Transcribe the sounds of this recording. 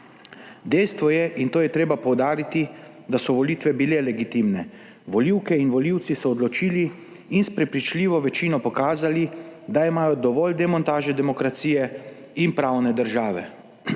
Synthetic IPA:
d̪ɛjst̪ʋɔjɛʔint̪oːjɛt̪ɾeːbapɔwd̪aːɾit̪i | d̪asɔʋɔliːt̪ʋɛbilelɛɡit̪imnɛ | ʋɔliwkɛinʋɔliwt̪sisɔːd̪lɔt͡ʃiːliː | nspɾɛpɾit͡ʃliːʋɔʋɛt͡ʃiːnɔpɔkaːzalid̪aimaːjɔd̪ɔʋɔld̪ɛmɔnt̪aːʒɛd̪ɛmɔkɾat̪siːjɛ | inpɾawnɛd̪əɾʒaːʋɛ̰

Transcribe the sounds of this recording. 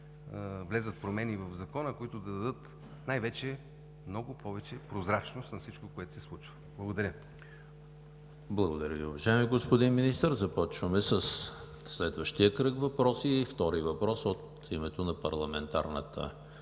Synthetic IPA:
vlɛzət̪̚pɾomɛnivɐvzɐkɔnəkoit̪ʊd̪ɐd̪ɐd̪ɤt̪ | najvɛt͡ʃɛ | mnɔɡʊpɔvɛt͡ʃɛpɾozɾat͡ʃnost̪nɐfsit͡ʃkokoɛt̪ʊ̥sɛslˠut͡ʃvəblˠɐɡod̪ɐɾʲə | blˠɐɡʊd̪ɐɾʲəviʊvɐʒaɛmiɡospod̪inminist̪əɾzɐpɔt͡ʃvəmɛsəs | slɛd̪vəʃt̪ijəkɾɤkvɐpɾɔsift̪ɔɾivɐpɾɔsot̪ | imɛt̪onɐpɐɾlˠɐmɛnt̪a̰ɾnə̰t̪ə̰

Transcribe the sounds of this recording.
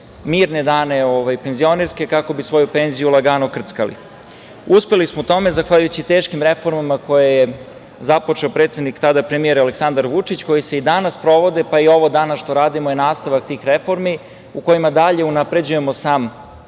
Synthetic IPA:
miːɾned̪aːne̞oʋajpe̞nzio̞neɾske̞kako̞bisʋo̞jupe̞nzijulˠaɡaːnokr̩t̪skalḭ | uspe̞lismout̪o̞me̞zaxʋaːʎujut͡ɕit̪e̞ːʃkimɾe̞fo̞ɾmamako̞jeje | zapo̞t͡ʂe̞opɾet̪sed̪nikt̪ad̪apɾemie̞ɾaleksand̪aɾʋut͡ʂit͡ɕko̞jise̞id̪anaspɾo̞ʋo̞d̪e̞paio̞ʋod̪anasʃt̪o̞ɾaːd̪imojenaːst̪aʋak̚t̪iːxɾefo̞ɾmi | uko̞jimad̪aʎe̞unapɾe̞d͡ʑuje̞mo̞saːm

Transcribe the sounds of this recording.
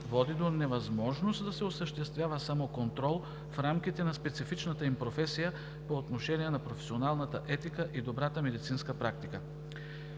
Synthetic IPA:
vɔd̪id̪onɛvɐzmɔʒnost̪d̪ɐsɛosəʃt̪ɛst̪vʲjavəsamokont̪ɾɔlˠ | fɾamk̟it̪ɛnɐspɛt̪sifit͡ʃnət̪əimpɾofɛsijə | poːt̪noʃɛniɛnɐpɾofɛ̥sionalˠnət̪əʔɛt̪ikəʔid̪obɾat̪əmɛd̪it̪sinskəpɾak̚t̪ikə

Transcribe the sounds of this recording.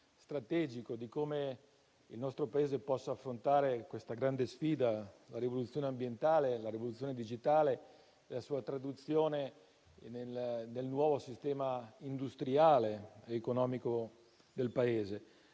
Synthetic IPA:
st̪ɾat̪ɛːd͡ʒikod̪ikoːme | ilnɔst̪ɾopaeːzepɔsːaːfːɾont̪aːɾekwest̪aɡɾand̪esfiːd̪alaɾivolut̪sːjoːneambjent̪aːlelaɾivolut̪sːjoːned̪id͡ʒit̪aːleː | lasuːat̪ɾad̪ut̪sːjoːne | nelnelnwɔːvosist̪ɛːmaind̪ust̪ɾiaːleeːkonɔːmiko | d̪elpaeːze

